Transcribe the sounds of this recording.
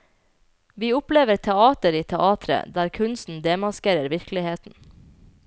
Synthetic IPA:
ʋiːʊpleːʋəɾt̪ʰɛɑːt̪əɾiːt̪ʰɛʔɑːt̪ʰɾə̰d̪æːɾkʰʉnsn̩d̪eːmɑskeːɾəɾʋɪɾklɪheːt̪n̩

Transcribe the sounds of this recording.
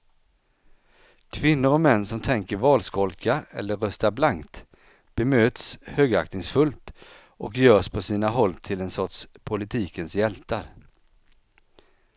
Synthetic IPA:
kʰvɪnːʊɾɔmɛnːsɔmt̪ʰɛŋkəɾvɑːlskɔlkaɛ̰lːəɾœst̪aɾblaŋkt̪ | b̥ɛmøːt̪shøːɡa̰ktnɪŋsfɵlt̪ | ʔɔkjœːʂpʰɔsiːnaɦɔlːt̪ʰɪlɛnsɔʈʂpʰʊlɪt̪ʰiːkənsjɛlt̪aɾ

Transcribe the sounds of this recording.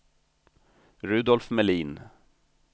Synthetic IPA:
ɾʉːd̪ɔlfmɛliːn

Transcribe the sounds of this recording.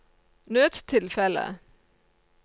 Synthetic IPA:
nøːt̪t̪ʰɪlfɛlə̰

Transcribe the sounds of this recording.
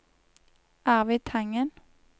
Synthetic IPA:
æːʁʋiːt̪ʰɑŋən

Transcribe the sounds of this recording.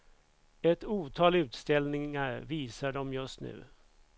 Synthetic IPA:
ɛt̪uːt̪ʰɑːlʉ̟ːt̪st̪ɛlnɪŋaɾviːsaɖɔmjɵst̪nʉ̟̰ː

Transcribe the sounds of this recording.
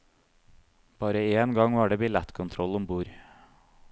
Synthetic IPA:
b̥ɑːɾəeːnɡɑŋʋɑːɖeːbɪlæt̪kʰʊnt̪ʰɾɔlʊmbuːɾ

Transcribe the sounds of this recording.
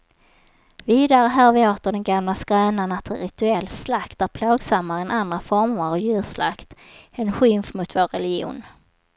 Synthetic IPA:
viːd̪aɾəɦæːɾvɪoːt̪əɖɛnɡamlasɡɾœːnanat̪ʰɛɾɪt̪ɵɛlːslakt̪æɾpʰloːɡsamːaɾɛnʔand̪ɾafɔɾməɾɔjʉ̟ːsla̰kt̪ɛnɧɪmfmʊt̪voːɾɛlɪɡɪṵːn

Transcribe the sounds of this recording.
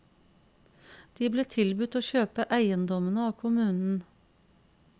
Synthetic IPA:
d̪̥iːbleːt̪ʰɪlbʉt̪oːçøːpəʔæɪənd̪ɔmənəɑːkʰʊmʉːnn̩

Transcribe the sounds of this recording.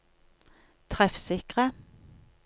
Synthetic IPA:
t̪ʰʁɛfsɪkʁə

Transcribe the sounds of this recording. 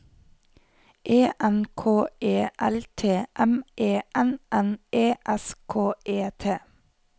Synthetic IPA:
ʔeːʔɛnkʰoːeːʔælt̪ʰeːʔɛmʔeːʔɛnʔɛneːʔɛskʰoːʔeːt̪ʰeː

